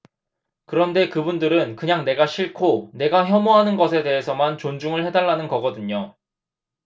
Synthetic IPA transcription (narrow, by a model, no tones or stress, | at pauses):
kɯɾʌnde̞kɯbundɯɾɯnkɯɲaŋne̞ɡaɕʰiɭkʰone̞ɡaçjʌmoɦanɯnɡʌs̬ʰe̞de̞ɦe̞sʰʌmant͡ɕond͡ʑuŋɯɭhe̞daɭːanɯnɡʌɡʌdɯɲo